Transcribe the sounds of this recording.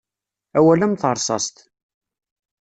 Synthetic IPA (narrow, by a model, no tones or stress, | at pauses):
æwælæmθəɾˤsˤɑ̰st̪